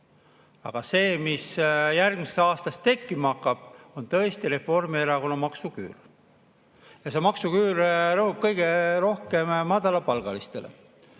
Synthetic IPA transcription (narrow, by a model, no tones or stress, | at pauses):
ɑ̰ɡ̥ɑse̞ːmisjærɡ̥misesɑːst̪ɑst̪e̞kːimɑkːˑɑb̥o̞nt̪ɤ̞est̪iɾe̞fo̞rmieɾɑko̞nɑmɑksuky̰ːr | jɑse̞mɑksukyːɾrɤɦhub̥̚kɤjɡ̥e̞ro̞hke̞mːɑd̪ɑlɑpɑlɡ̥ɑlist̪e̞̰lḛ